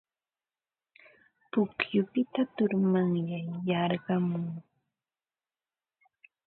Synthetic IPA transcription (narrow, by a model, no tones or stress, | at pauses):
pʊkjʊpɪt̪at̪ʊɾmaŋjajɑɾɢɑmʊŋ